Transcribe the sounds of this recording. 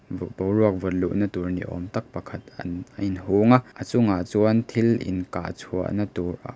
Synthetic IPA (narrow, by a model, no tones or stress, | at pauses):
bɔwruɐk̚vɔt̪̚luʔnɐt̪urnḭʔɔ̰mt̪ɐk̚pɐkʰɐt̪ɐnɐ̰jnɦuŋaʔət͡sʊŋaʔt͡suɐnt̪ʰilʔɪ̰nkaːt͡sʰuɐ̰ʔnɐt̪urʔa̰ʔ